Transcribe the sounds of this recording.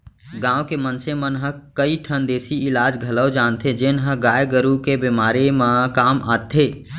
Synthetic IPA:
ɡãːwkemənsemənɦəkəiʈʰənd̪eːsiɪlaːd͡ʒɡʱɐləwd͡ʒaːnt̪ʰed͡ʒenɦə̃ɡaːjɡəɾukebemaːɾemãkaːmaːt̪ʰeː

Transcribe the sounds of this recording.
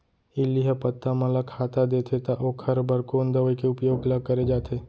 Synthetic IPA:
ɪlːiɦəpət̪ːamɐləkʰːaːt̪ad̪eːt̪ʰet̪aʔoːkʰɐɾbəɾkoːnd̪əʋəikeʊpjoːɡləɡ̚kɐɾed͡ʒaːt̪ʰeː

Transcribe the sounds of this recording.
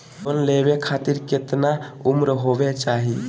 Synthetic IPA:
pənlebekʰat̪iɾket̪naumɾɦobet͡ʃaɦi

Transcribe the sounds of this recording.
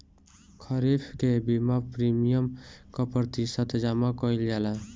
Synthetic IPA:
kʰʌɾipʰkebimapɾimijəmkɔpət̪isət̪d͡ʒamakɔild͡ʒala

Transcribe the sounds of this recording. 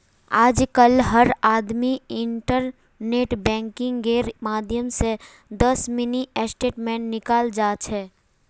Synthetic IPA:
aːd͡ʒkəlɦəɾaːd̪miɪɳʈəɾ | neːʈbɛ̃ːŋkɪ̃ŋɡɡeːɾmaːd̪ʱjəmse | d̪əsmɪniʔesʈeːʈmẽːɳnɪkaːld͡ʒaːt͡ʃʰɛ

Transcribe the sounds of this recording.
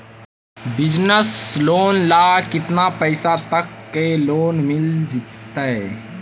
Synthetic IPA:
bɪd͡ʒnəsloːnlaːkɪt̪napəɪsat̪əkːeloːnmɪld͡ʒɪt̪ː | aɛ

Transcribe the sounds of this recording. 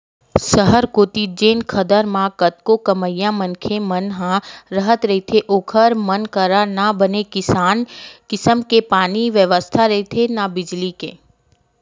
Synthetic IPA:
səɦəɾkot̪id͡ʒenkʰəd̪əɾmãkət̪̚kokəməjːamənkʰemənɦãɾəɦət̪ɾəɦit̪ʰeʔokʰəɾmənkəɾanabənekɪankɪsəmkepaniʋjəʋəst̪ʰaɾəɦit̪ʰenabɪd͡ʒlikḛ

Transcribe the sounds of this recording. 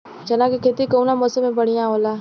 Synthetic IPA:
d͡ʒənãːkekʰeːt̪ikounaːmoːsəmẽbəɽɪjãːɦoːlaː

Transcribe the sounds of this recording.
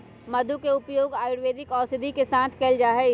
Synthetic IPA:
mɐd̪ʱukeʊpjoːɡaːjʊɽʋeːd̪ɪkɔːsɪd̪ʱikesãːnt̪ʰkeld͡ʒaːɦɛ

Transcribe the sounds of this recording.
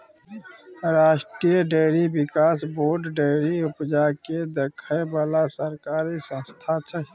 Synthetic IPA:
ɾaːʃʈɾijəɖeɾibɪkaːsboːɾɖɖeːɾiʊpd͡ʒaked̪ekʰəjbaːlasəɾkaːɾisə̃nst̪ʰat͡ʃʰɛ

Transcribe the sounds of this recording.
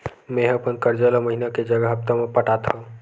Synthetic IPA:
mẽɦəpənkəɾd͡ʒəlaməɦinaked͡ʒəɡəɦəp̚t̪amepəʈat̪ʰõ

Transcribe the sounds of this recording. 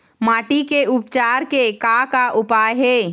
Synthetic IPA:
maːʈikeʔʊpt͡ʃaːɾkekakaʔʊpaːjɦeː

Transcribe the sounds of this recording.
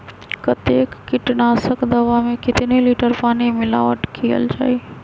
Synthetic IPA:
kɐt̪eːkːɪʈnaːsəkd̪ɐʋamẽkɪt̪neliːʈəɾpaːnemɪla̰ːʋəʈkʰijə̰ld͡ʒa̰ːeː

